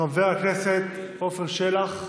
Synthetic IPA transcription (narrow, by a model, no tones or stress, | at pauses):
aveakneset̪ | ofeʁʃelaχ